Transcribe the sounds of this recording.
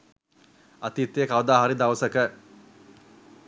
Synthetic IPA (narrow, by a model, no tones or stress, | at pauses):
at̪iːt̪ːejəkaʋəd̪aːɦaɾid̪aʋəsəkə